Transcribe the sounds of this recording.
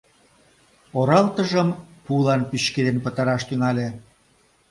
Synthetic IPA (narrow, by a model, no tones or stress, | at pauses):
oɾɑlt̪əʒəmpulɑnpyɕked̪enpət̪ɑɾɑʃt̪yŋɑlʲe